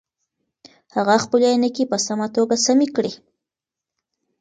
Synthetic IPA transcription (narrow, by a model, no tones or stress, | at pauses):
haɣaxpəljajnəkipəsamat̪oɡasamikɽi